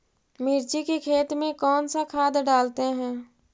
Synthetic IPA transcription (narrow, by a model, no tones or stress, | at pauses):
mɪːɾt͡ʃikekʰeːt̪mẽkɔːnsakʰaːd̪ɖaːlt̪eɦɛ̃ː